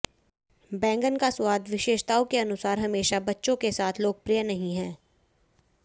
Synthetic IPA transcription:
bɛ̃ːŋɡənkasʊwaːd̪ʋɪʃeːʃt̪aːõkeɐnʊsaːɾɦɐmeːʃabɐtːʃõkesaːt̪ʰloːɡ̚pɾijənɐɦĩɦɛ̃ː

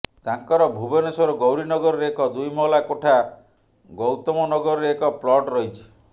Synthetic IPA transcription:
t̪aŋkɔɾɔbʱubɔnesɔɾɔɡowɾinɔɡɔɾɔɾeekɔd̪ujmɔlakoʈʰa | ɡɔwt̪ɔmɔnɔɡɔɾɔɾeekɔplɔʈɾɔɦjt͡ʃʰi̥

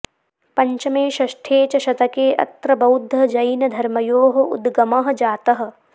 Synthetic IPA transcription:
pɐɲt͡ʃɐmeːʃɐʃʈʰeːt͡ʃɐʃɐt̪ɐkeːʔɐ̰t̪ɾɐbɐwd̪ʱːɐd͡ʒɐjnɐd̪ʱɐɾmɐjoːɦɐ̆ṵd̪ɡɐmɐɦɐ̆d͡ʒaːt̪ɐɦɐ̆

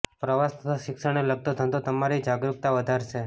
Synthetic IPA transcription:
pɾəʋast̪ət̪ʰaʃɪkʃəɽ̃eləɡ̚t̪od̪ʱə̃nd̪ot̪əmaɾid͡ʒaɡɾuk̚t̪aʋəd̪ʱaɾt͡ʃʰe

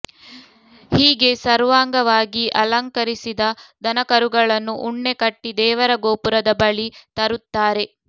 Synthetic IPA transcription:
hiːɡe̞sɐɾʋaːŋɡɐʋaːɡiʔɐlɐŋkɐɾisid̪ɐd̪ɐnɐkɐɾuɡɐɭɐnːuʔuɳːe̞kɐʈːid̪ɛːʋɐɾɐɡoːpuɾɐd̪ɐbɐɭit̪ɐɾut̪ːaːɾe̞

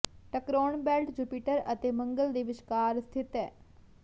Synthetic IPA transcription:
ʈɐkɾoːɳbɛːlʈd͡ʒupiʈəɾɐt̪eːmɐ̃ŋɡəld̪eʋɪʃkaːɾst̪ʰit̪ɛ

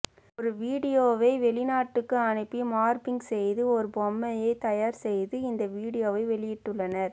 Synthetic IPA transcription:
ɔɾɯʋiːɽɪjoːʋɐɪʋɛɭɪnaːʈːɯkːɯɐɳɪpːimaːɾpɪŋɡsɛjðɯɔɾɯbɔmːɐjɐɪt̪ɐjaːɾsɛjðɯɪnd̪ɐʋiːɽɪjoːʋɐɪʋɛɭɪjɪʈːɯɭːɐnɐɾ

